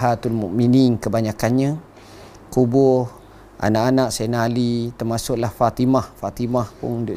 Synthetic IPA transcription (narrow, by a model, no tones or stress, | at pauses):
ɦat̪unmuʔminɪŋkəbaɲakanɲə | kubʊh | a̰naʔanaʔsanalit̪ərmasʊʔlahfat̪imahfat̪imahpʊ̰ŋdoʔ